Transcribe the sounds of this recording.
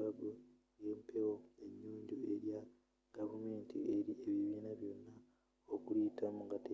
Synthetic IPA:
abu | jeːmpʰewoe̞ɲːuːɲɟue̞ɾja | ɡ̥avumeːntie̞ɾieβiβiːnaβjo̞nːa | okulitamuŋɡate

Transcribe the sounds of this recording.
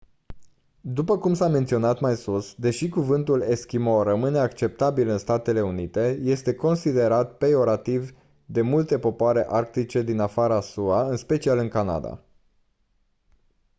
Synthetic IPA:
d̪upəkumsame̞nt̪sio̞nat̪majsusd̪e̞ʃikuvɨnt̪ule̞skʲimorəmɨne̞akt͡ʃe̞p̚t̪abilɨnst̪at̪e̞le̞unit̪e̞je̞st̪e̞ko̞nsid̪e̞ɾat̪̚peo̞ɾat̪iv | d̪e̞mult̪e̞po̞poaɾe̞ʔark̚t̪it͡ʃe̞d̪inafaɾəasuaɨnspe̞t͡ʃialɨŋkana̰d̪a̰

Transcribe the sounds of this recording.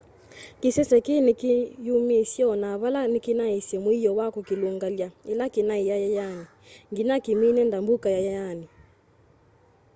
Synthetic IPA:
kisɛsɛkinikijumisjɔnaβalanikinaisɛmwijɔwakukiluŋɡaljaelakenaijajajani | ŋɡinakiminɛndambukajajajani

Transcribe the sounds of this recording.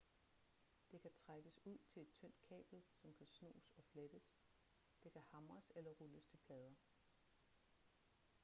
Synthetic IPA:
d̥e̝kʰæt͡sʰʁaɡ̥əsuð̞̰ˠt͡sʰe̝le̝d̥̚t͡sʰœn̰d̥̚kʰɛ̰ːb̥l̩sɒ̽mkʰæsno̝̰ːsɒ̽fled̥əs | d̥e̝kʰæhɑ̈mʁɐselɐʁuləst͡sʰe̝pʰlɛːð̞ˠɐ

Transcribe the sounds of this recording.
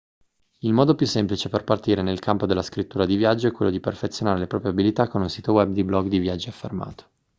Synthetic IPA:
ilmɔːd̪opjusːemplit͡ʃeperpart̪iːɾenelkampod̪elːaskɾit̪ːuːɾad̪ivjad͡ʒːoɛkːwelːod̪iperfet̪sːjonaːɾelepɾɔːpɾjeabilit̪akːonunsiːt̪owɛb̚d̪iblɔɡd̪ivjad͡ʒːiafːḛrma̰ːt̪o̥

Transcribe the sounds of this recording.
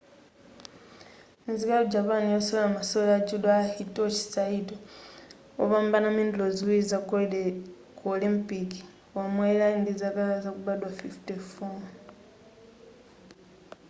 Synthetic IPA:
inzikalod͡ʒapanijosolamasolad͡ʒudahitoci̥saido | o̰βambanamindloziwiza | kolimpiki̥ | amwailaindizakaazakuβadwafiftefo

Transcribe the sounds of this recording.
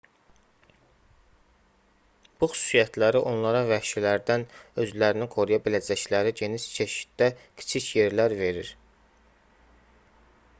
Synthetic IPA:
b̥uxy̥su̥sijæt̪ʰlæɾiʔo̞nlˠɑɾɑvæʃilæɾd̪ænø̞zlæɾiniɡʰo̞ɾujɑbilæd͡ʒæclæɾiɟe̞niʃt͡ʃʰe̞ʃi̥t̪̚d̪æcʰi̥t͡ʃʰicje̞ɾlæɾve̞ɾiɾ

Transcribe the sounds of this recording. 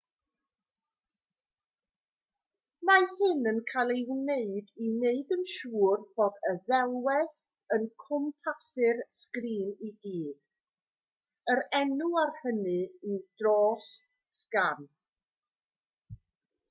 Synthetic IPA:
mahɪnənkʰajlˠewneɨdineɨdənʃuːrb̥ɔdəðɛlˠwɛð | ənkʰʊmpʰasɨrskriːniɡiːd̥ | əɾɛnuarhənɨid̥rɔːs | skan

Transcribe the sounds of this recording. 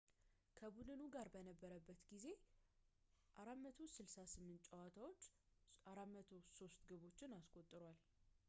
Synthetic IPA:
kʰəbudɨnuɡaɾbənəbːəɾəbːət̪ɡize̞ | ʔaɾamət̪ʰosɨlsasɨmːɨnt̪t͡ʃʼːəwat̪ʰawo̞t͡ʃː | aɾamət̪ʰo̞so̞st̪ɡɨβo̞t͡ʃːɪnaskʼo̞t̪ʼːɨɾwal

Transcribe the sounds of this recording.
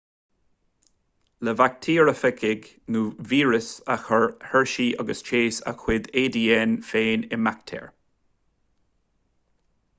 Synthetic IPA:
ləvak̚t̪ʰiːɹəfɛkʰɪɡ | nuːviːɹəsaxəɹhɛɹʃiːʔʌɡəst͡ʃʰeːsa̰xʰwɪd̪eːd̪iːɛnfeːnɪmak̚t̪ʰɛ̰ɹ

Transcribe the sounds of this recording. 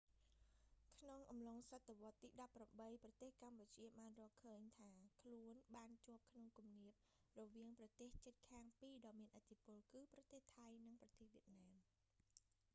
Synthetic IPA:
kʰnoŋʔɑmloŋsat̪ːeʋŏət̪ːiːɗɑpːramɓəjprɑt̪eːhkamput͡ɕiəɓaːnrɔ̆ːlkʰəːɲt̪ʰaːkʰluənɓaːnt͡ɕŏəp̚kʰnoŋkumniəp̚ | rɔʋiəŋprɑt̪eːht͡ɕət̪̚kʰaːŋpiːɗɑːmiənʔət̪ʰːipʊ̆əlkɨːprɑt̪eːht̪ʰajnɨŋprɑt̪eːhʋiət̪̚naːm

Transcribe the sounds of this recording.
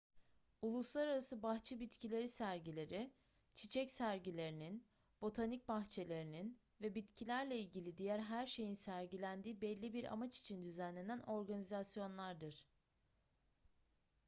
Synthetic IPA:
ulˠuslˠaɾaɾasɯbaxt͡ʃʰibit̪cʰilʲe̞ɾisæɾɟilʲe̞ɾi | t͡ʃʰit͡ʃʰɛcsæɾɟilʲe̞ɾinin | b̥o̞t̪ʰanic̚baxt͡ʃʰe̞lʲe̞ɾinin | vɛbit̪cʰilʲæɾlʲɛilʲɟilʲid̪ijæɾɦæɾʃe̞jinsæɾɟilʲænd̪iːbɛlʲːibiɾʔa̰mat͡ʃi̥t͡ʃʰind̪yzænlʲe̞næno̞ɾɡanizasjo̞nlˠaɾd̪ɯɾ̥

